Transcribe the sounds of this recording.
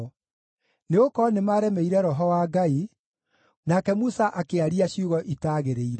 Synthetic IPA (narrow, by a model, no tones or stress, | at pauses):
neokɔnemaːɾɛmɛiɾɛɾɔɦɔwaːɡai | nakɛmusaʔakeaɾiaɕiuɣɔʔitaːɣeɾeiɾɛ